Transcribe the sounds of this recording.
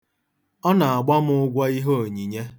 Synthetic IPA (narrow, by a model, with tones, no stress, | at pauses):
ɔ˦na˨a˨ɡ͡ba˦m̩˦ʊ˦ɡʷa˦i˦ɦo˦˨o˨ɲi˨ɲe˦